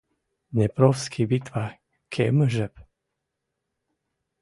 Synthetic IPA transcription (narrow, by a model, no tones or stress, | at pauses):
nɛpɾɔfskʰibit̪ʋa | kʰeməʒɛp